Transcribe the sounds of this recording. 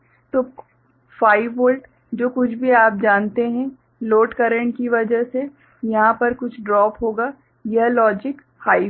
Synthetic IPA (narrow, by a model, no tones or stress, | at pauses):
t̪oː | faːɪʋoːlʈ | d͡ʒoːkʊt͡ʃʰbʱiaːp̚d͡ʒaːnt̪eɦɛ̃ | loːʈkɐɾə̃ɳʈ̚kiʋɐd͡ʒəɦse | jɐɦãpɐɾkʊt͡ʃʰɖɾɔːpɦoːɡaː | jɐɦlɔːd͡ʒɪk | haːɪ